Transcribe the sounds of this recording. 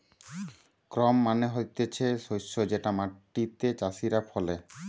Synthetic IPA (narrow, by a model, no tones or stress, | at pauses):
kɾɔmːaneɦojt̪et͡ɕʰeʃojʃːod͡ʑeʈamaʈːit̪et͡ɕasiɾafʰɔle